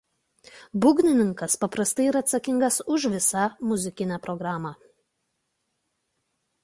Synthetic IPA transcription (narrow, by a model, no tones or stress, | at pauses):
bʊɡʲnʲɪnʲɪŋkɐspɐpɾɐst̪ɐɪiɾɐːt̪sɐkʲɪŋɡɐsʊʃʋʲɪsɐmʊzʲɪkʲɪnʲæːpɾɔɡɾɑːmɑ